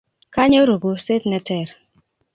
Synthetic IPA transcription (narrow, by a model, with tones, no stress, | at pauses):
ka˦ɲo˦ɾo˨bo˨se˦tnɛ˨tɛ˦˨ɾ